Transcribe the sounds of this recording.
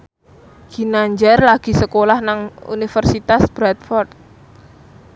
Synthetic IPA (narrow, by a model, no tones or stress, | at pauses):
ɡ̥i̤naɲd͡ʒarlaɡ̥i̤səkolahnaŋṵnifərsit̪asb̥ɾat̪̚fɔrt̪̚